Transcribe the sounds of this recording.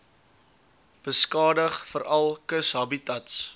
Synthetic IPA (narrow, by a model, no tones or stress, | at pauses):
b̥əskɑːdəχfəɾɐlˠkəsɦɐbitɐts